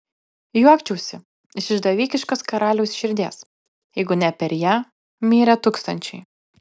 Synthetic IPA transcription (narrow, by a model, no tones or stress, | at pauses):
juɔkt͡ʃʲɛʊsʲɪ | ɪʃɪʒd̪ɐʋʲiːkʲɪʃkoːskɐɾɑːlʲɛʊsʃʲɪɾʲd̪ʲeːs | jɛɪɡʊnʲɛpʲɛɾʲjæː | mʲiːɾʲɛt̪uːkst̪ɐnʲt͡ʃʲɛɪ